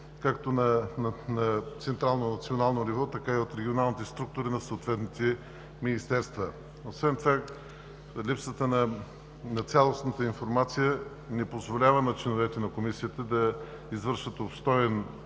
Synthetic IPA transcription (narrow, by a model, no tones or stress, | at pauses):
kakt̪onɐnɐt̪sɛnt̪ɾalˠnonɐt̪sionalˠnonivɔt̪ɐkaiot̪ɾɛɡʲionalˠnit̪ɛst̪ɾuk̚t̪ʊɾinɐsot̪vɛt̪nit̪ɛ | minist̪ɛɾst̪və | osvɛnt̪ova | lipsət̪ənɐ | nɐt̪sʲalˠosnət̪əinfoɾmat̪sijə | nɛpozvolʲavənɐt͡ʃɛnovɛt̪ɛnɐkomisiət̪əd̪ɐ | izvəɾʃvət̪opst̪ɔjɛn